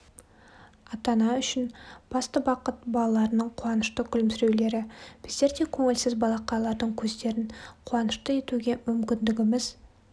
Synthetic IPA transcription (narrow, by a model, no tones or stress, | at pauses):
ɑt̪ɑnɑʏʃɪnb̥ɑst̪əbɑqət̪̚bɑlˠɑlˠɑɾənəɴqʰuwɑnəʃt̪əkʲʰʏlmsɪɾe̞wle̞ɾɪb̥ɪzd̪e̞ɾd̪e̞kʲʰɵŋɪlsɪzbɑlˠɑqɑlˠɑɾd̪əɴkʲʰɵzd̪e̞ɾɪnqʰuwɑnəʃt̪əe̞t̪uɡʲe̞mʏmkʲɪnd̪ɪɡʲɪmɪz̥